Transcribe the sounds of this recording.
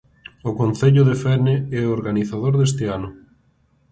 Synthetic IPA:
ʊkonθeʎʊðefɛneɛoɾɣaniθaðoɾðes̬t̪ɪanʊ

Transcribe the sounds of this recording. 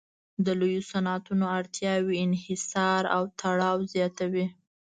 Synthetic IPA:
d̪əlojosanɑt̪unoaɽt̪jɑwiɪnhɪsɑɾa̰wt̪ʰaɽɑwzjɑt̪awi

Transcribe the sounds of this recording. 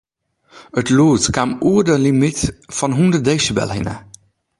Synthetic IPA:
ətluətkamuədəlimitfɔnɦundədeːsəbɛ̰lˠhɪnə̰

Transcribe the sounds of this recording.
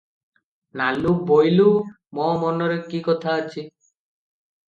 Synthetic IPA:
naluk̚bojlu | mɔmɔnɔɾekikɔt̪ʰaːt͡ɕʰi

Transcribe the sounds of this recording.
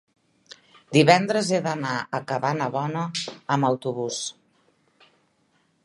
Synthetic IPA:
d̪iβɛnd̪ɾəzeðənaəkəβanəβɔnəːməwt̪uβus

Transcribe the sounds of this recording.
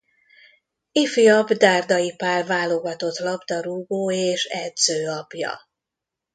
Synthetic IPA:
ifiɒbd̪aːrd̪ɒjipaːrvaːlo̞ɡɒt̪o̞t̪lɒbd̪ɒɾuːɡoːeːʃɛd̪zøːɒpjɒ̰

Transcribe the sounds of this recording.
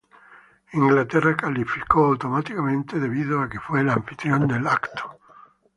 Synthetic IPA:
iŋɡlat̪erakalifikoawt̪omat̪ikamẽnt̪eðe̞βiðoakefwelaaːɱfit̪ɾjond̪elakt̪o̥

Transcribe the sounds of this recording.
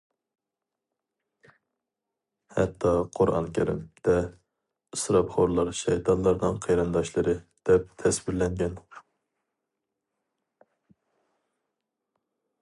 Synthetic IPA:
hɛ̰t̪ʰːɑqʰoɾɑ̰nkʲʰeɾɪ̰md̪̥ɛ | ɨsɾɑpχoɾlˠɑɾʃɛjt̪ʰɑnlˠɑɾnɨŋqʰejɾɨnd̪ɑʃlˠɨɾɨd̪̥ɛp̚t̪ʰɛsbiɾlɛŋɡʲɛn

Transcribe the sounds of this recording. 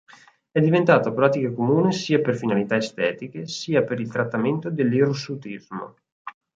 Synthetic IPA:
ɛd̪ːivent̪aːt̪apɾaːt̪ikakomuːnesiːaperfinalit̪aest̪ɛːt̪ikesiːapeɾilt̪ɾat̪ːament̪od̪elːeɾosut̪izmo̰

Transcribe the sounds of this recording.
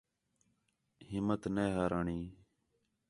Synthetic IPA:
hɪmːət̪neːɦaːɾaːɳiː

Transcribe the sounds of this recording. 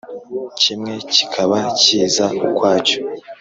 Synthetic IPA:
cimŋe̞ci̥kʰaβaciːzaukwaːco̥

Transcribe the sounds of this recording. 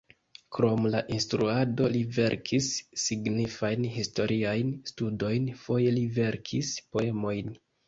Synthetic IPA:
kɾo̞mlaʔinstɾuado̞live̞̰ɾkʰisːiɡnifajnɦisto̞ɾʔiajnstudo̞jnfo̞je̞live̞ɾkʰispo̞e̞mo̞jn

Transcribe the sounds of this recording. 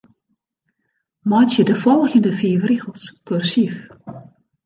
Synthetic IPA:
mɔjt͡sjədəfɔlˠxjəndəfiːəʋriɣəlˠskørsif

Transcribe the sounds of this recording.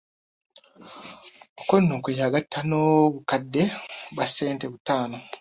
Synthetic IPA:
okonːuːkeːjaɡatʰːanoβukadːeβaseːnte̞βutaːno̞

